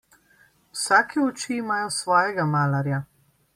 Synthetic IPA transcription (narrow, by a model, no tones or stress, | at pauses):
wsaːkʰɛɔt͡ʃiːmaːjɔsʋɔːjɛɡamaːlaɾja